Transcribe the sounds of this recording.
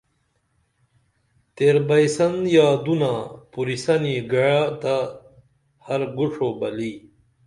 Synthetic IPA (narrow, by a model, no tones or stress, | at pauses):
t̪eɾbɐjsɐnjaːd̪unapuɾisɐniɡɐɻat̪a | hɐɾɡuʂʰoːbɐliː